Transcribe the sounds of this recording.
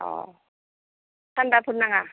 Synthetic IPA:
ɔ̰ | sʰandapʰunːaŋa

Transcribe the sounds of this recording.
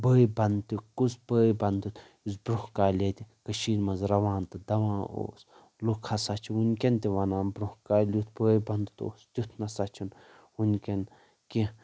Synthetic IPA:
bəːjbɐnd̪t̪ikusbəːjbɐnd̪ut̪ | usbɾuhkaːlʲet̪ʲikəʃiːɾmɐnzɾɐʋaːnt̪ɨd̪ɐʋãːo̰s | lukʰasat͡ʃʰiunʲkʲent̪iʋɐnãːnbɾuhkaːlʲut̪̚ʰbəːjbɐnd̪ɨt̪o̰ːst̪ʲut̪ʰnɐsat͡ʃʰun | unʲkʲen | ki

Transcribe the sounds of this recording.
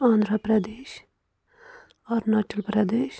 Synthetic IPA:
ãːnd̪ɾapɾɐd̪eːʃ | ɔːɾnaʈəlpɾɐd̪eːʃ

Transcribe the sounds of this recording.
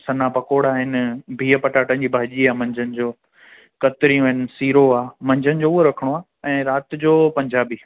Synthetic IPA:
sɐnapɐkoːɽaːɦɪnbʱiːəpɐʈaːʈənɪ̆d͡ʑiːbʱaːʄiaːmɐ̃ɲd͡ʑənɪ̆d͡ʑoː | kɐt̪ɪɾĩũɦɪnɪ̆siːɾoaːmɐ̃ɲd͡ʑənɪ̆d͡ʑouoɾɐkʰəɽ̃oaː | ɛ̃ːɾaːt̪d͡ʑoːpɐ̃ɲd͡ʑaːbiː

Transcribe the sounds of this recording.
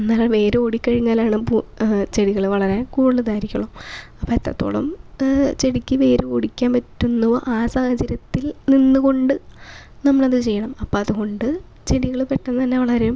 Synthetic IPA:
nːalːɐʋe̞ːɾeoɽikːɐɻiŋːaːlaːɳɨput͡ɕeɽiɣɐɭʋɐɭɐɾeːnkuːɽɭːɨd̪aːjiɾikʲːɐɭomɐpːoːet̪ːɐ̰t̪ːo̞̰ːɭɐ̰mt͡ɕeɽikʲːɨʋe̞ːɾuoɽikʲːaːnpɐtːunːɐʋo̰ːʔaːsaːhɐt͡ɕːɐɾɐt̪ːilninːuko̞ɳɖɨ | nɐmːɐɭɐðɨt͡ɕe̞jːɐɳɐmɐpːoːɐðuɣo̞ɳɖɨ | t͡ɕeɽiɣɐɭpeʈːɐnɨt̪ɐnːeʋɐɭɐɾejm

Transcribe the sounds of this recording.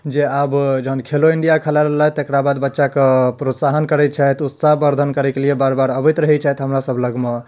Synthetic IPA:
d͡ʒeabd͡ʒəɦənkʰeloiɳɖijakʰəlaɾəɦlaɦt̪ekɾabad̪bətːʃakepɾot̪saɦənkəɾɛt̪̚t͡ʃʰɛt̪ut̪saɦbəɾd̪ʱənkəɾɛkeliebaɾbaɾəbɛt̪ɾəɦɛt͡ʃʰɛt̪ɦəmɾasəbʱləɡme

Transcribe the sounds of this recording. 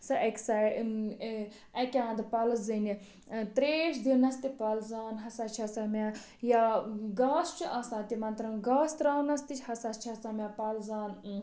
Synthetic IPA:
sɐʔɐkʲsa | ɐkʲãːnd̪pɐlɐzɨni | t̪ɾeːʃd̪inɐst̪ipɐlzaːnɦɐsɐt͡ʃʰɐsɐmʲaː | jaːɡaːst͡ʃʰuʔɐsãːt̪imɐnt̪ɾɐmɡaːst̪ɾaːnɐst̪it͡ʃʰʲhɐsɐt͡ʃʰɐsɐmʲaːpɐlzaːn

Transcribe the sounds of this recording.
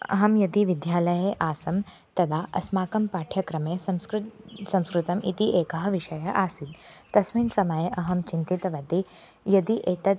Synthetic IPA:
ɐ̰ɦɐmjɐd̪iʋid̪ʱjaːlɐjeʔaːsɐm | t̪ɐd̪ʱaʔɐ̰smaːkɐmpaːʈʰjɐkɾɐmesɐɾsɐ̃mskɾut̪ɐmḭt̪iʔeːkɐɦɐʋiʃɐjɐʔaːsid̪t̪ɐsmiːnsɐmajeʔɐɦɐmt͡ʃint̪it̪ɐʋɐd̪i | jɐd̪iʔeːt̪ɐt̪

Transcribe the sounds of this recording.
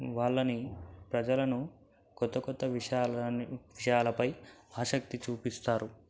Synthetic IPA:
ʋaːɭːɐnipɾɐd͡ʒɐlɐnu | kɔt̪ːɐkɔt̪ːɐʋiaːʋiʂɐjaːlɐpɐjaːʃɐk̚t̪it͡ʃuːpist̪aːɾu

